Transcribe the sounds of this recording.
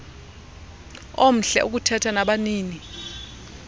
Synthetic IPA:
om̩ɬɛ̰ʔuk̬utʰɛtʰanaɓaniːni

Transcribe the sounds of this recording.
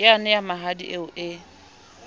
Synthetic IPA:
ɪanɪjamaɦadḭʔeʊʔɪ

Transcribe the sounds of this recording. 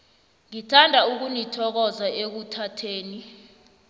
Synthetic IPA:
ŋitʰandʱauk̬unitʰɔk̬ɔzaʔek̬utʰatʰeːni

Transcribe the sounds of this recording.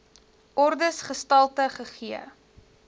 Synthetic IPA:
ʔɔrdəsχəstɐlˠtəχəχiə̰

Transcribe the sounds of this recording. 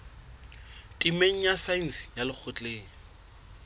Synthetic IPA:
tʼimeŋ̩jasain̩sjalɪk͡xʰʊt͡ɬʼeːŋ̩

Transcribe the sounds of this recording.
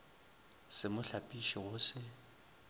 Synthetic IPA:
sɪmʊɬapʼiʃiɣʊsɪ

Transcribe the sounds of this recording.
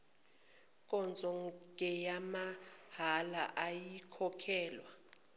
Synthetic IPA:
kʼɔnd͡zʱɔŋʱɛjamahala̰ʔajikʰɔkʰɛːlwa

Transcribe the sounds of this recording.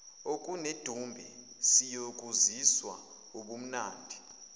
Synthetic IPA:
okʼuned̥ʱumbʱɛ | sijokʼuziswa̰ | uɓum̩naːndʱi

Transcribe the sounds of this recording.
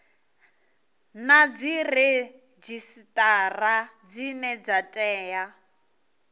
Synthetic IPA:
nad͡zirɛ | d͡ʒisitʼarad͡zinɛd͡zatʼɛːja

